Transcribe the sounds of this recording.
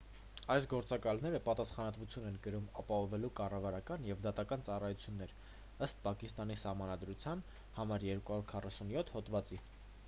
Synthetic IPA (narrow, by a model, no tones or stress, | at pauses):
ɑjsɡɔɾt͡sɑkɑlnɛɾəpɑt̪ɑsχɑnɑt̪vut͡sʰjunɛnkəɾumɑpɑhɔvɛlukɑrɑvɑɾɑkɑnjɛvd̪ɑt̪ɑkɑnt͡sɑrɑjut͡sʰjunːɛɾ | əst̪̚pɑkist̪ɑnisɑhmɑnɑd̪ɾut͡sʰjɑn | hɑmɑɾjɛɾkuhɑɾuɾkʰɑrɑsunjɔt̪ʰhɔt̪vɑt͡si